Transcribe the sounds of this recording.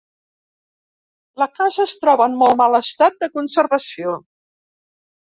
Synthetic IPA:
ləkazəst̪ɾɔβəːnmɔlˠmaləst̪at̪̚d̪əkunsərβəsio

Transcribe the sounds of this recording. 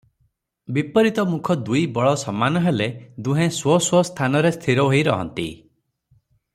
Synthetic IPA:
bipɔɾit̪ɔmukʰɔd̪ujbɔɭɔsɔmːanɔɦeled̪uɦẽswɔswɔst̪ʰanɔɾest̪ʰiɾɔɦojɾɔ̰ɦɔ̰nt̪ḭ

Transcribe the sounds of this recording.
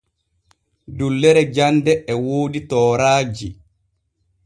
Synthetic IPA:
dulːɛɾɛd͡ʒandɛʔːwoːditɔːɾaːd͡ʒi

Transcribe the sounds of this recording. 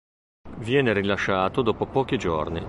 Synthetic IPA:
vjɛːneɾilaʃːaːt̪od̪ɔːpopɔːk̟id͡ʒo̰rni

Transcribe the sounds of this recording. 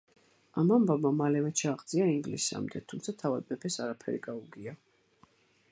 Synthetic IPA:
amambamamalɛmɛt͡ʃʰaːʁd̪ziaiŋɡlisa̰md̪ɛt̪ʰumt̪sʰat̪ʰavad̪̚mɛpʰɛsaɾapʰɛ̰ɾḭɡauɡia

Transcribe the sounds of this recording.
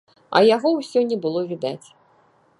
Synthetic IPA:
ɐ̰jaɣɔwsʲɔnʲɛbɨlˠɔvʲid̪at͡sʲ

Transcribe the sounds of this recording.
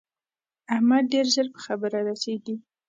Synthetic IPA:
ahmad̪̚ːeɾzəɾpə̥xabəɾaɾased̪i

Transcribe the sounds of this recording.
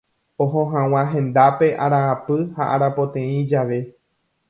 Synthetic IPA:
õɦõɦãw̃ãɦẽ̞nd̪ape̞ʔaɾãːpɨhaʔaɾapo̞t̪ẽĩd͡ʒaʋe̞

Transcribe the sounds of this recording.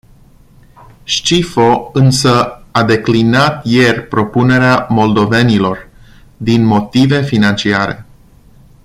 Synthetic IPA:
ʃt͡ʃifo̞ɨnsəad̪e̞klinat̪je̞rʲpɾo̞pune̞ɾeamo̞ld̪o̞ve̞nilo̞r | d̪inmo̞t̪ive̞finant͡ʃiaɾe̞̰

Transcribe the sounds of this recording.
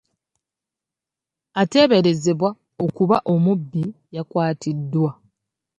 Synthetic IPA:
ate̞ːβe̞ɾe̞ze̞βwa | o̞kuβaʔo̞mubːijakwaːtʰidːwa

